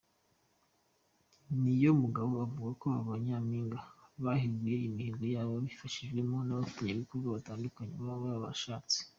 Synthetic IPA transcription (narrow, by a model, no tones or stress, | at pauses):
nijo̞muɡaβo̞avuɡakoaβaɲaːmiːŋɡaβaheɡuje̞imihiːŋɡojaːβoββifaʃiʒɡwe̞mo̞naβafu̥taɲeikuɾɡaβataːndukaɲeβaβaaβa̰ʃaːt͡se̥